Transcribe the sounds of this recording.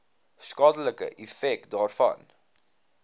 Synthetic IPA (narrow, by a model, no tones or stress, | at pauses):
skɑːdələkə̰ʔifɛk̚tdɑːrfɐ̰n